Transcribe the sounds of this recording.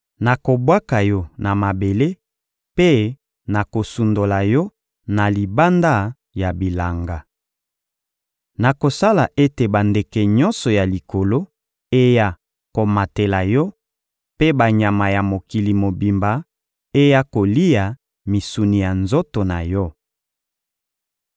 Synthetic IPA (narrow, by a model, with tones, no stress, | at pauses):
na˨ko˨bwa˦ka˨jɔ˦na˨ma˨be˨le˦ | pe˦ | na˨ko˨su˨ndo˨la˨jɔ˦ | na˨li˨ba˦nda˦ | ja˨bi˨la˨ŋɡa˨ | na˨ko˨sa˦la˨ʔe˦te˨ba˨nde˨kɛ˨ɲɔ̃˦nsɔ˨ja˨li˨ko˨lo˦ | e˦ja˨ | ko˨ma˨te˨la˨jɔ˦ | pe˦ba˨ɲa˨ma˨ja˨mo˨ki˨li˨mo˨bi˨mba˨ | e˦ja˦ko˨li˦ja˨ | mi˨su˨ni˨ja˨nzo˦to˨na˨jɔ˦